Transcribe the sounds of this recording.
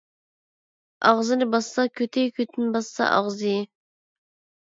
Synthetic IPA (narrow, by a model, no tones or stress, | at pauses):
ɑʁzɨnɪbɑssɑkʲʰøt̪ʰɪkʲʰøt̪ʰɪnɪbɑsːɑ̰ʔɑ̰ʁzɨj